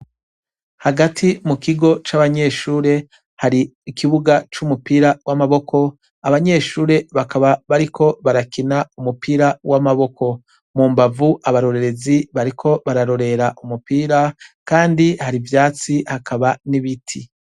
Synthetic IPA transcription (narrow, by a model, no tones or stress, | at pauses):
haɡatʰimukiɡo̞t͡ʃaβaɲe̞ːʃuːɾe̞ | haɾiːkiβuɡat͡ʃumupiːɾawamaβo̞kʰo̞ | aβaɲe̞ːʃuːɾe̞βakaβaβaɾikʰo̞βaɾakinaumupiːɾawamaβo̞ko̞ | muːmbavuʔaβaɾo̞ɾe̞ɾe̞ziβaɾikʰo̞βaɾaɾo̞ɾe̞ɾaʔumupiːɾakaːndihaɾivjaːt͡sihakaβaniβitʰi